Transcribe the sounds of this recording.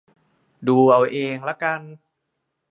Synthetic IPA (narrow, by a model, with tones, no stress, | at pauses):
duː˧ʔa˧˩wʔeː˧ŋlɛ˦˥ka˧n